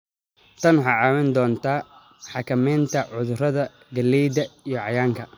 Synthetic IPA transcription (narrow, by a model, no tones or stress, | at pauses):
t̪ʰɐnħɑʕɑːwɐnd̪ɔːnt̪ʰaː | ħɑkʰɐmɛːnt̪ʰɐʕʊðʊrɐðɐ | ɡɐlːɛjd̪ɐijɞʕɑjaːŋkʰɐ